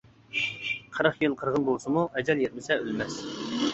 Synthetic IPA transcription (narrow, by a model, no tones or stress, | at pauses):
qʰəɾɑχjɨlˠqʰəɾʁənbolˠsɨmuʔɛd͡ʒɛljet̪̚mɪsɛølmɛs